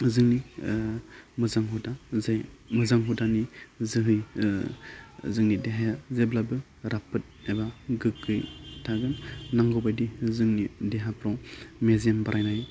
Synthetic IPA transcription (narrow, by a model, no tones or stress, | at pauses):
zɯŋni | mɯzaŋɦudaajmɯzaŋɦudanizɯɦɯj | zɯŋnideɦajazejblabɯ | ɾapɯt̚ebaɡɯkʰːɯjtʰaɡɯnnaŋɡɔbajdizɯŋnideɦapʰɾɔmeziambaɾajnaj